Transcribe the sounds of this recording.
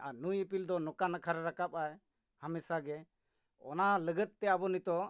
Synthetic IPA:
anujɛpild̪ɔnɔkanakʰaɾɾakap̚aj | hamɛsaɡɛ | ɔ̰naləɡət̪̚ːɛabɔnit̪ɔ

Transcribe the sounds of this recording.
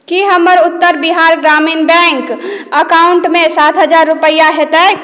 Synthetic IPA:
kiɦəməɾʊt̪ːəɾbiɦaːɾɡɾaːminbɛ̃ːŋkəkaːʊɳʈmẽsaːt̪ʰɦəd͡ʒaːɾːʊpəjaɦɛt̪aɛ

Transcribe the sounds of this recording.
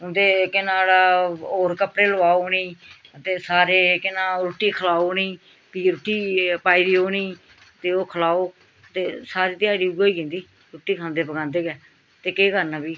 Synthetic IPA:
ʊnd̪eːkɪnãːlaoːɾkəpɽeːləʋaːoːniːt̪eːsaːɾeːkɪnãːɾʊʈːiːkʰəlaːoːniː | piːɾʊʈːiːpaːiːɾiːoːniː | t̪eːoːkʰəlaːoː | t̪eːsaːɾiːt̪ɪjaːɾiːʊɡoːiːkẽːnd̪iː | ɾʊʈːiːkʰãːnd̪eːpəɡãːnd̪eːɡɛː | t̪eːkeːkəɾnãːbiː

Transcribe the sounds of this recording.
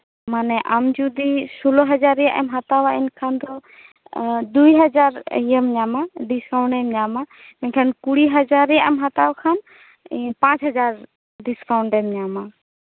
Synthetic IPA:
manɛʔamd͡ʒud̪isulɔɦɐd͡ʒaɾija̰ʔɛ̰mɦat̪awaɛnkʰand̪ɔ | d̪ujɦəd͡ʒaɾijəmɲamaɖiskawɳʈɛmɲamamɛɲkʰankuɽiɦəd͡ʒaɾijaɛmɦat̪awkʰañ | pãt͡ʃɦɐd͡ʒaɾ | ɖiskawɳʈɛmɲama

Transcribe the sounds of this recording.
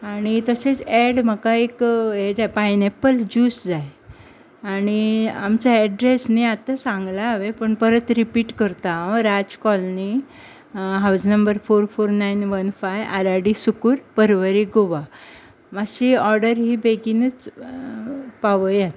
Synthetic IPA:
aɽ̃it̪əset͡sɛɽm̤əkaeked͡zajpajnepəld͡ʑuːsd͡zaj | aɽ̃ia̰mt͡ɕaɛɖɾesniat̪asãŋɡlaːʋepəɳpəɾət̪ɾipiːʈkəɾt̪aɾad͡zkɔlni | ɦawd͡znəmbəɾfoɾfoɾnainʋənfajaɾaɽisukuːɾpəɾʋəɾiɡoʋa | maɕiɔɾɖəɾɦiːbeɡinət͡s | paʋəjat̪

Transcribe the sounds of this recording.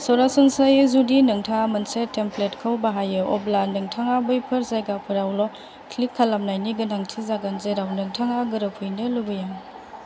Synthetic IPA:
sɔɾasunsajzudinɐŋtʰamɐnsetːempletkʰawbaɦajɯʔɔblanɯŋtʰaŋabɯjpʰɯɾzajɡapʰɯɾawlɔ | kʰlikʰːalamnajniɡɯnaŋtʰizaɡanzeɾawnɯŋtʰaŋaɡɯɾɐpʰujnɯlubɯjaŋ

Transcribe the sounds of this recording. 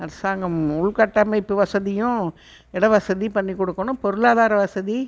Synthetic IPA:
ɐɾɪsaːŋɡɐmʊɭkɐʈːɐmɐɪpːɯʋɐsɐðɪjʊ̃ | ɛɽɐʋɐsɐðipɐɳːikːɔɽɯkːɐnʊ̃pɔɾɯɭaːðaːɾɐʋɐsɐði

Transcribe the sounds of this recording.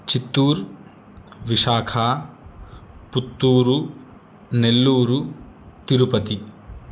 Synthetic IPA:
t͡ʃit̪ːuːɾ | ʋiʂaːkʰa | put̪ːuːɾu | nelːuːɾu | t̪iɾupɐt̪i

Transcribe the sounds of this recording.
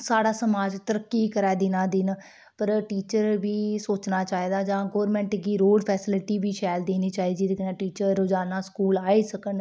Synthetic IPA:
saːɽaːsəmaːd͡ʒt̪əɾəkːiːkəɾɛːd̪ɪnaːd̪ɪn | pəɾʈiːt͡ʃəɾʋiːsoːt͡ʃnaːt͡ʃaːiːd̪aːd͡ʒãːɡoːɾmɛ̃ːɳʈɡiːɾoːɖpʰɛːsɪlɪʈiːʋiːʃʰɛːld̪eːniːt͡ʃaːiːdd͡ʒiːkənãːʈiːt͡ʃəɾd͡ʒaːnaːskuːlaːiːsəkən

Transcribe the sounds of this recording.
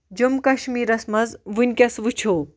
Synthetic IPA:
d͡ʒumkɐʃmiːɾɐsmɐzʋunʲkʲɐsʋut͡ʃʰoː

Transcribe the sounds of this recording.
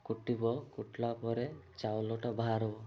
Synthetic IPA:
kuʈibɔkuʈlapɔɾet͡ʃawlɔʈabaɦaɾɔbɔ

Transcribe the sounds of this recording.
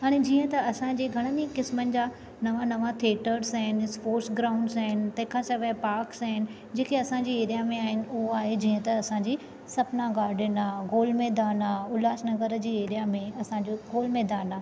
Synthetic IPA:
ɦaːɽ̃ed͡ʑĩːə̃t̪ɐɐsãɲd͡ʑeːɡʱɐɽ̃ənikɪsmənɪ̆d͡ʑaː | nɐʋãnɐʋãt̪ʰeːʈəɾsaɦɪnspoːɾsɡɾaːʊ̃ɳɖsaːɦɪnɪ̆t̪ɐ̃ɦɪ̃kʰãsɐʋepaːɾksaːɦɪnɪ̆ | d͡ʑeːkʰeɐsãɲd͡ʑiːeːɾijamẽaːɦɪnɪ̆ʊɦoaːɦed͡ʑĩːə̃t̪ɐɐsãɲd͡ʑiː | sɐbnaɡaːɖʱɪnaːɡoːlmeːd̪aːnaʊlaːsnɐɣəɾəd͡ʑiːeːɾijamẽɐsãd͡ʑoɡoːlmeːd̪aːnaː

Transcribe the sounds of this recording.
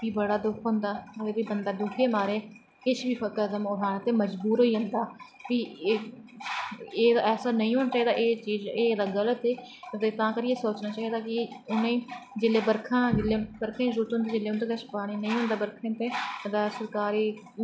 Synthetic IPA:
ʋiːbəɽaːd̪ʊkʰɦʊ̃nd̪aːəd̪eːbiːbənd̪aːd̪ʊkʰeːmaːɾeː | kɪt͡ʃʋiːəkəəd̪əmoːɾaːnt̪eːməd͡ʒbuːɾɦoːiːɦə̃nd̪aː | ʋiː | eːd̪aɛːsaːnəĩːɦoːnaːt͡ʃaːid̪aːʔeːt͡ʃiːzeːd̪aːɡələt̪eːt̪eːt̪ãːkəɾiːeːsoːt͡ʃnaːt͡ʃaːɦiːd̪aːkɪʊnẽːd͡ʒɪleːbəɾkʰãːd͡ʒɪlːeːbəɾkʰãːd͡ʒəɾuːɾət̪ɦõnd̪eːd͡ʒɪlːeːʊnt̪eːkət͡ʃpaːɽ̃iːnəĩːɦʊ̃nd̪aːbəɾkʰẽt̪ẽːd̪aːsəɾkaːɾiː

